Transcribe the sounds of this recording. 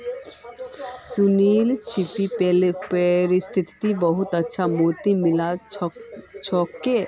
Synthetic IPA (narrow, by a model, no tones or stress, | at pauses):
suniːlt͡ʃʰipipelpəɾɪst̪ʰɪt̪t̪ibəɦʊt̪ətːʃʰamot̪imɪla | t͡ʃʰɔːkːe